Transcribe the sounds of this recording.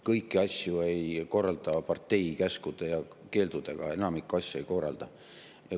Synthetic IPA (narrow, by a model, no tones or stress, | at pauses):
kɤjkːˑiɑsʲjue̞jko̞rːɑld̪ɑpɑrt̪ːe̞jkæskud̪̥e̞jɑ | ke̞ːld̪̥ud̪̥e̞ɡ̥ɑ̰e̞nɑmikːˑuɑsʲjue̞jko̞rɑ̰ld̪̥ɑ | jɑ